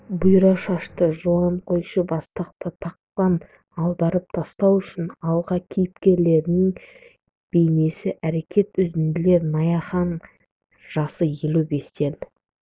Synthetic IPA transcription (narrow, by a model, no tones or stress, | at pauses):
bʊjɾɑʃɑʃt̪əʒuɑɴqʰo̞jʃəbɑst̪ɑq̚t̪ət̪ʰɑq̚tɑn | ɑlˠd̪ɑɾəp̚t̪ʰɑst̪ɑwʏʃɪnɑlˠʁɑkʲʰejɪpkʲe̞ɾle̞ɾɪnɪŋ | b̥e̞jne̞sɪʔæɾe̞kʲʰe̞t̪ʏzɪnd̪ɪle̞ɾnɑjɑχɑn | ʒ̥ɑsəjelube̞st̪e̞lɪ